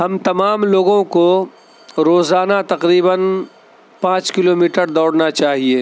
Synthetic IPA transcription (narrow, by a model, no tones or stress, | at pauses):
ɦɐmt̪ɐmaːmloːɡõko | ɾoːzaːnat̪ɐqɾiːbən | pãːt͡ʃkɪloːmiːʈəɾd̪ɔːɽnat͡ʃaːɦieː